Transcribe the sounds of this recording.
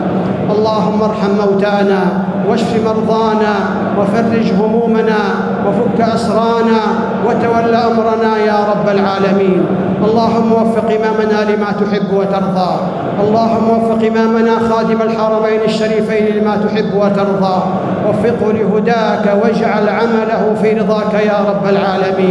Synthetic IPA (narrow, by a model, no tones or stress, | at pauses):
ʔɑlˤːɑːɦʊmːaʔɑɾˤħamːawt̪aːnaː | waʃfɪmɑɾˤðˤɑːnaː | wafɑrːɪd͡ʒhʊmuːmanaː | wafʊkːaʔɑsɾˤɑːnaː | wat̪awalːaːʔamɾˤɑnaːjaːɾˤɑbːalʕaːlamiːn | ʔɑlˤːɑːɦʊmːawafːɪqʔɪmaːmanaːlɪmaːt̪ʊħɪbːwat̪ɑɾˤd̪ˤɑː | ʔɑlˤːɑːɦʊmːawafːɪqʔɪmaːmanaːxaːd̪ɪmalħɑɾˤɑmajnɪʃːaɾiːfajnɪlɪmaːt̪ʊħɪbːwat̪ɑɾˤðˤɑː | wafːɪqʊlɪɦʊd̪aːkawad͡ʒʕalʕamalahʊfiːɾɨðˤɑːkajaːɾˤɑbːalʕaːlamiːn